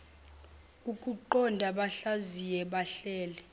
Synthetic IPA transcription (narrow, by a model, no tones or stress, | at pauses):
ukʼuǃɔndʱaɓaɬazijɛɓaɬɛːlɛ